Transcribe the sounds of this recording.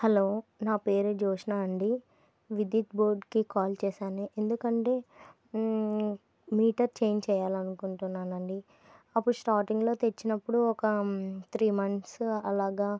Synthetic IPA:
hɐloːnaːpeːɾed͡ʒɔːʂɐnaːɐɳɖi | ʋid̪iːt̪̚boːɾɖkikaːlt͡ʃɛːʃaːniʔend̪ukɐɳʈe̞ː | miːʈɐɾt͡ʃeːjɲd͡ʒt͡ʃɛːjaːlɐnukuɳʈunːaːnɐɳɖi | ɐpːuɽusʈaːɾʈiŋɡlo̞ːt̪et͡ʃːinɐpːuɽuɔkɐt̪ʰɾiːmɐnsɐlaːɡaː

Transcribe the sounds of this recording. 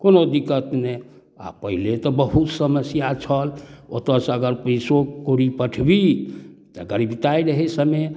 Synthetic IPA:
konod̪ikət̪ne | a̰pəɦilet̪ɔbəɦut̪səməsjat͡ʃʰəlo̰t̪əsəɡəɾpəjsokoɾipəʈʰbit̪əɡəɾibt̪aiɾəɦesəme

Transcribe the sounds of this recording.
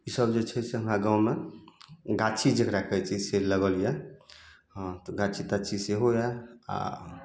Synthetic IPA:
isəbd͡ʒet͡ʃʰəsẽãɡawme | ɡat͡ʃʰid͡ʒekɾakət͡ʃʰiseləɡəlijɛ | ɦt̪ɔɡat͡ʃʰit̪at͡ʃʰiseɦojaa̰

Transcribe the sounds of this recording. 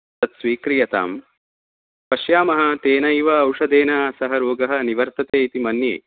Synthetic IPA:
ɐt̪sʋiːkɾijɐt̪a̰ːm | pɐʃjaːmɐɦat̪eːnɐjʋɐːwʂɐd̪eːnasɐɦɐɾoːɡɐɦɐ̆niʋɐɾt̪ɐt̪eːit̪imɐnjḛː

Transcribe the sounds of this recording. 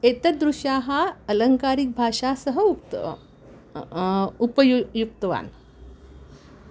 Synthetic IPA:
et̪əd̪ɾuɕjãɦaələŋkaɾik̚bʱaʂasəɦəukt̪ | upəjujukt̪əʋa̰n

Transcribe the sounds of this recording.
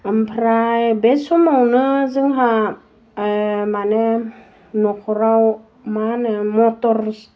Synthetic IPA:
mpʰɾajbesɔmawnɯzɯŋɦa | mane | nɔkʰɔɾaw | manɯmɔtɔɾs

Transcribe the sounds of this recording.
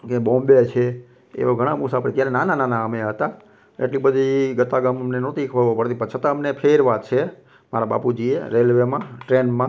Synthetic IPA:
kebõmbet͡ʃʰe | ḛʋoɡʱəɽ̃amusapəɾit̪jaɾenanananaəmeɦət̪a | ḛʈlibəd̪ʱiɡət̪aɡammnenot̪ikʰʋəɾʋopəɾt̪ipət͡ʃʰət̪ãəmnepʰeɾʋat̪t͡ʃʰe | maɾaba̰pud͡ʒiḛɾelʋemãʈɾenmã

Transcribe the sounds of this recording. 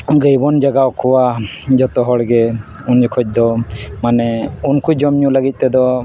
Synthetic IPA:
ɡəjbɔnd͡ʒaɡaɔkʰɔwad͡ʒɔt̪ɔɦɔɽɡɛ | und͡ʒɔkʰɔc̚ˀd̪ɔmanɛunkud͡ʒɔmɲũləɡic̚t̪ɛd̪ɔ

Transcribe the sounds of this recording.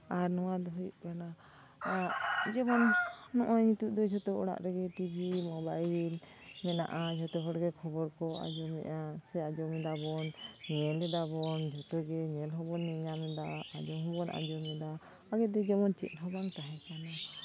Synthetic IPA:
aɾnɔwad̪ɔɦɔjuʔ̚kana | ad͡ʒɛmɔnːɔʔɔɲit̪uʔd̪ɔd͡ʒɔt̪ɔɔɽa̰ʔɾɛɡɛʈibʱimɔbail | mɛna̰ʔad͡ʒɔt̪ɔɦɔɽɡɛkʰɔbɔɾkɔa̰d͡ʒɔmɛ̰ʔasɛad͡ʒɔmɛd̪abɔnɲɛlɛd̪abɔnd͡ʒʱɔt̪ɔɡɛɲɛlɦɔbɔnːɛɲamɛd̪aad͡ʒɔɦɔbɔnʔa̰d͡ʒɔmɛd̪a | aɡɛd̪ɛd͡ʒɛmɔnt͡ʃɛ̰t̪̚ˀɦɔbaŋt̪aɦɛ̃kana

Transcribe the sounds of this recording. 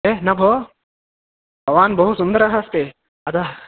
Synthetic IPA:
enɐbʱoː | bʱɐʋaːnbɐɦusund̪ɐɾɐɦɐst̪e | ɐd̪a

